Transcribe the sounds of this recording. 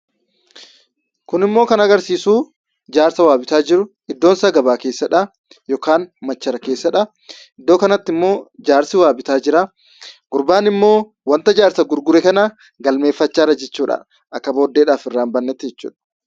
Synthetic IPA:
kʊnɪmːo̞ːkɐnɐɡɐɾsiːsuː | d͡ʒaːɾsɐwaːbɪt̪aːd͡ʒɪɾʊ | ɪd̪ːoːnsɐɡɐbaːke̞ːsːɐᶑɐ | joːkaːnmɐt͡ʃːɐɾɐke̞ːsːɐᶑɐ | ɪd̪ːo̞ːkɐnɐt̪ːɪmːo̞ːd͡ʒaːɾsɪwaːbɪt̪aːd͡ʒɪɾa | ɡ̥ʊɾbaːnɪmːo̞ː | wɐnt̪ɐd͡ʒaːɾsɐɡʊɾɡʊɾɛkɐna | ɡɐlme̞ːfːɐt͡ʃːaːɾɐd͡ʒɛt͡ʃːuːᶑɐ̰ | ʔɐkːɐbo̞ːd̪ːeːᶑaːfɪrːaːmbɐnːɛt̪ːɪd͡ʒɛt͡ʃːṵːᶑɐ̥

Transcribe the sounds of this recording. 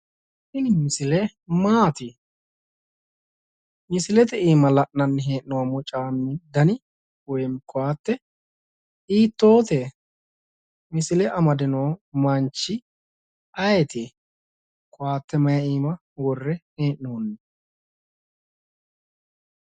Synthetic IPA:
sɪnɪmɪsɪlɛ | maːt̪ɪ | mɪsɪlɛt̪ɛiːmɐlɐʔnɐnːɦeːʔnɔwamɔt͡ʃʼaːmːɪd̪ɐnɪ | wɔjmkʊwaːt̪ːɛ | iːt̪ːo̞ːt̪eː | mɪsɪlɛʔɐmɐd̪ɪnowmɐnt͡ʃːɪ | ɐjɛt̪eː | kʰʼʊwaːt̪ːɛmɐjɐiːmɐ | wɔrːɛheːʔnoːnːɛ

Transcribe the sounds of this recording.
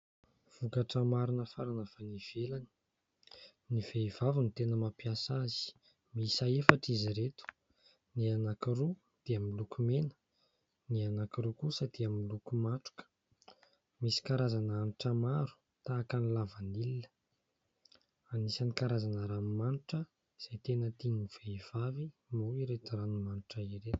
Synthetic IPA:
v̥ukaʈ͡ʂəmaɾunəfaɾanəfaniv̥elani̥ | niveivavinit̪enəmapiasazi̥ | misaefaʈ͡ʂiziɾet̪u̥ | nianakiɾu | d̪̥eamilukumenə̥ | nianakiɾukusəd̪̥eamilukumaʈ͡ʂu̥kə̥ | misi̥kaɾazananuʈ͡ʂəmaɾu̥ | t̪aːkanilavanilinə̥ | anisanikaɾazanəɾammanʈ͡ʂə | z̥ajt̪enət̪iniv̥eiv̥avimuiɾet̪uranumanuʈ͡ʂəiɾet̪u̥

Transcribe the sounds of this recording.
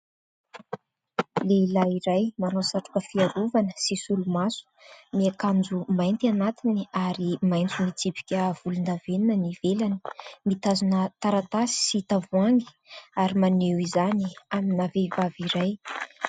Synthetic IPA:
leilaiɾajmanosaʈ͡ʂu̥kəfiaɾovanəsisulumasu̥miakand͡zumajnt̪ianat̪iniaɾimajnt͡sumit͡sipi̥kʲəv̥ulund̪aveninənivelani̥mit̪azunət̪aɾat̪asi̥sit̪avuaŋɡi̥ | aɾimanewizaniaminavevaviɾaj

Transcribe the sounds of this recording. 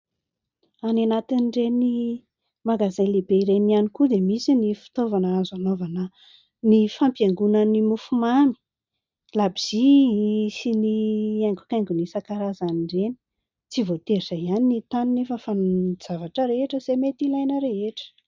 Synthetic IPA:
ananat̪inɖ͡ʐeni | maɡazelebeiɾenianikud̪emisinifi̥t̪ovanəazanovanə | nifampjaŋɡunanimufumani̥ | labiz̥i | siniaŋɡu̥kajŋɡunisakaɾazaniɳɖ͡ʐeni̥ | t͡sivot̪eɾisaianinit̪aninefəfand͡zavaʈ͡ʂəɾeeʈ͡ʂəzemet̪ilajnəɾeɦeʈ͡ʂə̥

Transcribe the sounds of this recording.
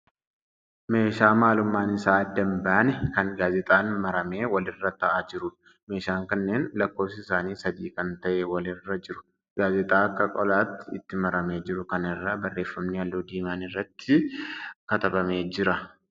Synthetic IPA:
me̞ːʃaːmaːlʊmːaːnɪsaːɐd̪ːɐmbaʔnɛkɐŋɡaːzɛt̪ʼaːnmɐɾɐme̞ːwɐlɪrːɐt̪ɐʔaːd͡ʒɪɾʊ | me̞ːʃaːŋkɐnːe̞ːnlɐkːo̞ːfsɪɪsaːniːsɐd̪iːkɐnt̪ɐʔewɐlɪrːɐd͡ʒɪɾʊ̥ | ɡ̥aːzɛt̪ʼaːɐkːɐkʼɔlaːt̪ːɪɪt̪ːɪmɐɾɐme̞ːd͡ʒɪɾʊkɐnɪrːabɐrːe̞ːfːɐmnɪɐlːoːd̪iːmaːnɪrːɐt̪ːɪkɐt̪ɐbɐme̞ːd͡ʒɪɾɐ

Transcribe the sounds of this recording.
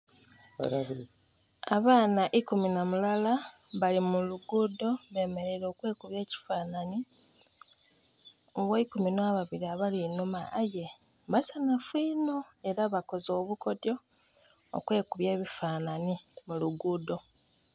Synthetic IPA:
aβaːnaʔikuminamulalaβalimuluɡuːdo̞βe̞ːme̞ɾe̞ɾo̞ːkwe̞ːkuβje̞ːci̥faːnani | ɡoikuminwaβaβiɾiaβalinomaːje̞ | βasanafwiːno̞e̞ɾaβako̞zo̞ːβuko̞djo̞̰ː | kwe̞ːkuβje̞ːβifaːnanimuluɡuːdo̞

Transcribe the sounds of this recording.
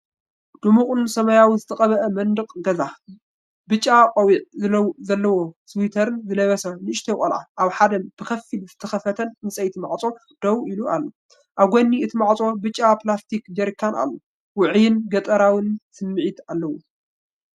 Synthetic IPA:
d̪̥umuχʼɨnsɐmɐjawizɨt̪ʰɐqʼɐβɐʔɐmɐnd̪ɨqʼɡɐza | bɨt͡ʃʼːaqʼɐwiʔɨzɐlːɐwoswit̪ʰɐɾɨnzɨlɐβɐsanɨɨʃt̪ʰɐkʼɐlʕa̰ʔaβħad̪ɐmb̥ɨkʰɐfilzɨt̪ʰɐxɐfɐt̪ʰɐnnɨsʼɐjt̪ʰimaʕt͡sʼo̞ | d̪̥ɐwiluʔalːo | ʔaβɡʷonːiɨt̪ʰimaʕt͡sʼo̞bɨt͡ʃʼːaplast̪ʰikd͡ʒɐɾkʰːanʔa̰lːo | wʊʕjɪnɡɐt̪ʼɐɾawɨnsɨmːɨʕit̪alːɐwu

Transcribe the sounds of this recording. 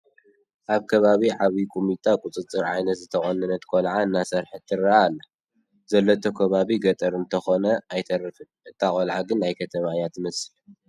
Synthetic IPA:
ʔaβkʰɐβaβiʕaβikʼumit̪ʼakʼut͡sʼɨt͡sʼɨɾʕajnɐt̪zɨt̪ʰɐxʼɐnɐnɐt̪kʰolʕaɨnːasɐɾħɨt̪ʰːɨɾaalːɐ | zɐlːot̪ʰokʰɐβaβiɡɐt̪ʼɐɾɨnt̪ʰɐxonɐajt̪ʰɐɾfɨ | ɨt̪ʰːaχʼolʕaɡɨnajkʰɐt̪ʰɐmajat̪mɐsɨl

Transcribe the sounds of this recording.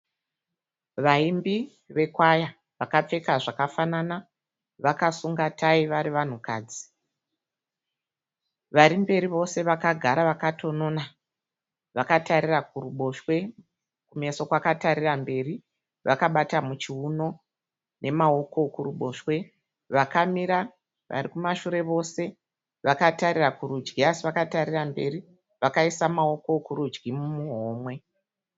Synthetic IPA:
ʋaimbi | ʋe̞kwaja | ʋakap͡fe̞kaʐakafanana | ʋakasuŋɡatʰaiʋaɾiʋan̤uka̰ːd͡zi̥ | ʋaɾimbe̞ɾiʋo̞se̞ʋakaɡʱaɾaʋakatʰo̞no̞ːna | ʋakataɾirakuruɓo̞ʃwe̞ | kume̞so̞kwakataɾirambe̞ːri | ʋakaɓatamut͡ʃiuno̞ | nʔe̞mao̞ko̞kuruɓo̞ːʃwe̞ | ʋakamiɾa | ʋʔa̰rikumaʃuɾe̞ʋo̞se̞ | ʋakataɾirakuɾud͡ʒɡiasiʋakataɾirambe̞ɾi | ʋakaisamao̞ko̞kuɾud͡ʒɡimmuɦo̞ːmwe̞

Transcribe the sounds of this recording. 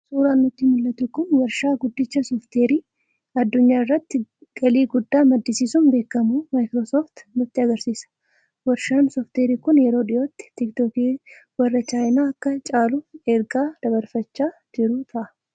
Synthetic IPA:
suːɾaːnːʊt̪ːimʊlːɐt̪ʊkʊnwɐɾʃaːɡʊd̪ːɪt͡ʃːɐsɔft̪eːɾiː | ɐd̪ːʊɲːaːɪrːɐt̪ːɪɡ̥ɐliːɡʊd̪ːaːmɐd̪ːɪsiːsuːnbe̞ːkːɐmumaːjkɾosoːft̪nʊt̪ːɪɐɡɐɾsiːsɐ̥ | wɐɾʃaːnsɔft̪eːɾiːkʊnjɛɾo̞ːᶑɪjo̞ːt̪ːɪ̥t̪ɪkt̪oːkeːwɐrːɐt͡ʃaːjnaːɐkːɐt͡ʃʼaːlʊɛɾɡaːd̪̥ɐbɐɾfɐt͡ʃːaːd͡ʒɪɾʊt̪ʰɐʔɐ

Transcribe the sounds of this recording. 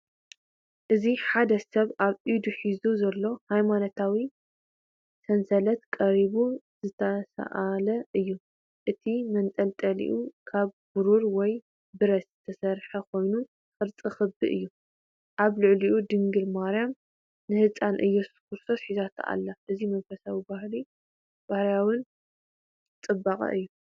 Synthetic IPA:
ʔɨziħad̪ɐsɐβaβʔid̪uħizuzɐlːo̞hajmanot̪ʰawi | sɐnsɐlɐt̪kʼɐɾiβu | z̥ɨt̪ʰɐsɐ̰ʔalɐʔɨjːu | ʔɨt̪ʰimɐnt̪ʼɐlt̪ʼɐlḭʔukʰaβb̥ɨɾuɾwɔj | bɨɾɐszɨt̪ʰɐsɐɾħɐkʰo̞jnu | fʼɨɾt͡sʼɨxɨbɨʔɨjːu | ʔaβlɨʕliʔud̪ɨŋɡɨlmaɾjam | nɨhɨt͡sʼanʔɨjːɐskuɾsosħizʰat̪ʰa̰lːaʔɨzimɐnfɐsawibahli | b̥ahɾjawɨn | t͡sʼɨbːakʼɐ̰ʔɨjːu

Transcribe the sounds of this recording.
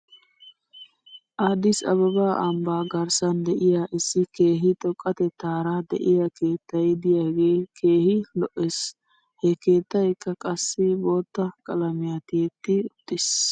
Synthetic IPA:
ʔɐd̪ɪsɐ̰βɐbaːʔɐmbaːɡɐɾsɐnd̪ɛʔɪjaʔɪsːɪke̞ːɦɪt̪ʼɔkʼːɐt̪ɛt̪ːaːɾɐd̪ɛʔɪjake̞ːt̪ːɐjd̪ɪjaːɡe̞ːkʰe̞ːhɪlɔʔes | hɛke̞ːt̪ːɐjkːɐkʼɐsːɪbo̞ːt̪ːɐkʼɐlɐmɪjat̪ɪɛt̪ːɪʊt̪ːɪs

